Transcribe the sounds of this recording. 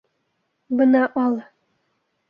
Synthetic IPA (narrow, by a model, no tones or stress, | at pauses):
bɤnɑʔɑlˠ